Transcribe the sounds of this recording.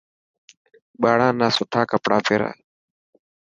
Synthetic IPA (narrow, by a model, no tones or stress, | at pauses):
ɓaːɽãːnaːsʊʈʰaːkəpɽaːpʰeːɾa̰ː